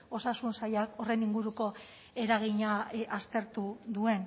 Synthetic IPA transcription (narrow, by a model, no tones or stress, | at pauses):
o̞sasunsajako̞re̞niŋɡuɾuko̞ | e̞ɾaɣ̞iɲaʔast̪e̞ɾt̪uðue̞n